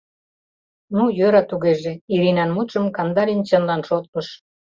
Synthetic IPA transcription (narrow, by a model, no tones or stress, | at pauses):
nujøɾɑt̪uɣeʒeiɾinɑnmut̪ʃəmkɑnd̪ɑlʲint͡ɕənlɑnʃot̪̚məʃ